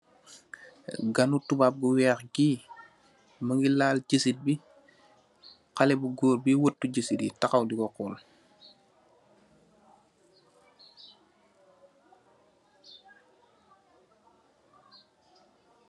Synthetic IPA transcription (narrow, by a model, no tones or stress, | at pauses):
ɡanutubap̚ɡuwɛːxɡiː | məŋɡilaːlɟəsit̚bi | qalɛbuɡoːɾbiwətːuɟəsiditakawdiɡɔqɔl